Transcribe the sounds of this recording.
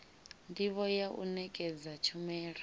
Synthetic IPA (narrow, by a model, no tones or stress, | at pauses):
ndiβɔjaʔṵnɛkʼɛd͡zat͡ʃʰumɛːɺa